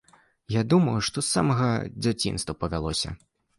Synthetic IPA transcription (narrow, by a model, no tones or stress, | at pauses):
jad̪umɐwuʂt̪ɔsːa̰mɐɣɐd͡zʲat͡sʲḭnst̪vɐpɐvʲalˠɔsʲɐ̰